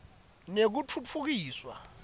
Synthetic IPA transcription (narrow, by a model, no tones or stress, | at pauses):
nek̬ut͡fʰut͡fʰuk̬iːswa